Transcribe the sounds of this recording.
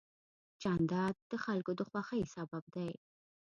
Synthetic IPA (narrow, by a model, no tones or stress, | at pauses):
t͡ʃɑnd̪ɑd̪̚ːəxalkod̪əxwɑxəisabab̚d̪aj